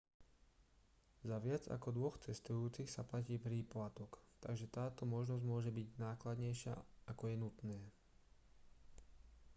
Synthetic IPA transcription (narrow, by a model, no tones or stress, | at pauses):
zaʋɪad͡za̰kɔd̪ʋɔxt͡sɛst̪ujuːt͡sixsaplaciːpɾiplat̪ɔkt̪aɡʒɛt̪aːt̪ɔmɔʒnɔzɟmʊɔʒɛbiɟnaːklad̪ɲɛjʃɪa̰akɔjɛnut̪nɛː